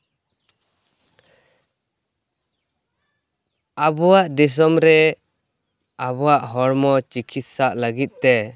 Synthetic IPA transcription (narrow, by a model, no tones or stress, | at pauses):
abɔwaʔd̪ɛs̬ɔmɾɛ | abɔwaʔɦɔɾmɔt͡ʃikʰit̪̚saʔləɡit̪̚t̪ɛ